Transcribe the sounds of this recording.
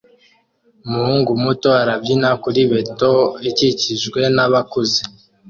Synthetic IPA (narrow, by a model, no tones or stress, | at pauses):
muhuːŋɡumutoaɾabɟinakuɾiβe̞toiciciʒɡwe̞naβakuzi